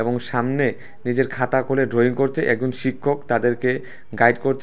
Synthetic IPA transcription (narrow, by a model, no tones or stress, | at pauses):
eboŋʃamne | nid͡ʑeɾkʰat̪akʰoleɖɾoiŋkoɾt͡ɕʰeʔɛk̚d͡ʑonʃikʰːokt̪ad̪eɾke | ɡajɖkoɾt͡ɕʰ